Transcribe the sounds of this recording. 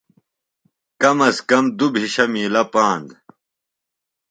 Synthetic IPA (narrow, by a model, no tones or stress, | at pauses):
kɐmɐskɐmd̪ubʱiɕɐmiːlɐpaːnd̪